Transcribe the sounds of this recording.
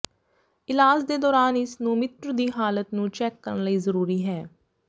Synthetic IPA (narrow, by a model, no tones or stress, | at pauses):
ɪlaːsd̪eːd̪ɔːɾaːnɪsnũːmɪt̪ɾd̪iːɦaːlət̪nũːt͡ʃɛːkːə̰ɾənləiːzəɾuːɾiːɦɛː